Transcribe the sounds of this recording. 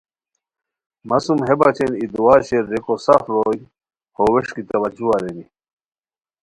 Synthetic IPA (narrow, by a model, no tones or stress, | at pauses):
mɐsumɦebat͡ɕenid̪uwaːɕeɾːekosafɾoːj | howeʂkit̪ɐwɐd͡ʑuaɾeni